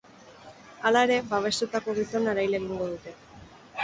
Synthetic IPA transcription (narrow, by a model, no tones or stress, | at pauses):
alae̞ɾe̞βaβ̞e̞st̪ut̪ako̞ɣ̞iso̞naɾajle̞ɣ̞iŋɡo̞ðut̪e̞